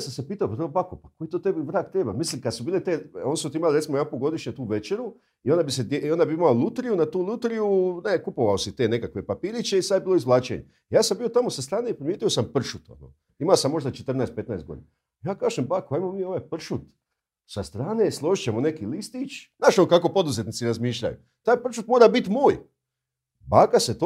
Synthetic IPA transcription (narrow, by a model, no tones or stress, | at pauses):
samsepiːt̪aopɾobakopako̞jt̪ot̪e̞biʋɾaːk̚t̪ɾeːbamislimkad̪subiːlet̪eo̞nisut̪iimaliɾesimoapoɡo̞d̪iʃɲet̪uːʋet͡ʃeɾu | io̞nd̪abised̪jeond̪abiimaolˠut̪ɾijunat̪uːlut̪ɾijunekupo̞ʋaosit̪e̞ːne̞kakʋe̞papiːɾit͡ʃe̞isad̪ebiːloizlˠaːt͡ɕḛɲḛ | jaːsambio̞t̪amosast̪ɾaːne̞ipɾimjeːt̪ijo̞sampr̩ʃut̪o̰no̰ | imaosamːo̞ʒd̪at͡ʃet̪r̩naest̪̚pe̞t̪naet̪ɡo̞d̪ina | jaːkaːʒembakaimomiːo̞ʋajpr̩ʃut̪ | sast̪ɾaːne̞slˠo̞ʒit͡ɕe̞mo̞ne̞kilist̪it͡ʃ̪naːʃonkako̞po̞d̪uze̞t̪nit̪siɾazmiːʃʎa̰jṵ | t̪aːjpr̩ʃut̪moːɾabit̪moːj | baːkaset̪o